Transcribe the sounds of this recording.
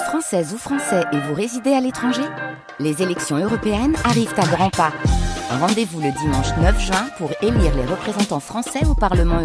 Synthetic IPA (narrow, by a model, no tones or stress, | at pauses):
fχɑ̃sɛzufχɑ̃sɛʔevuʁezid̪ealet̪χɑ̃ʒe | lezelɛksjɔ̃øʁɔpeɛnaʁivt̪aɡʁɑ̃paʁɑ̃d̪evuləd̪imɑ̃ʃnœfʒɥɛ̃puʁeliʁleʁəpχezɑ̃t̪ɑ̃fχɑ̃sɛopaʁləmɑ̃